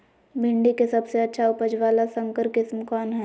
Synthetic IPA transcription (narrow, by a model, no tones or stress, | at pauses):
bʱɪ̃ɳɖikesɐbseɐtːʃʰaʊpəd͡ʒʋaːlasɐ̃ŋkəɾkɪsmkɔːnɦɛː